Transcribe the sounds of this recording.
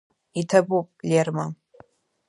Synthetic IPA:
itʰɐbupʼlʲerma

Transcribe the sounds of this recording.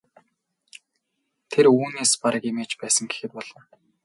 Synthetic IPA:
t̪ʰeɾuːneːspaɾə̆kemeːt͡ɕpæːsə̆ŋɡe̥xɘ̆t̪̚pɔɮ̥ɞ̆n

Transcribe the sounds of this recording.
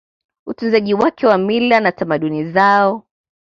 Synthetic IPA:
utunzaʄiwakʰɛwamilanatamaɗunizaɔ

